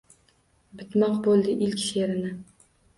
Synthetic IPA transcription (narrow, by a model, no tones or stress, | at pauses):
bɪt̪mɑqbolˠd̪ɪʔɪlkʲʃeɾɪnɪ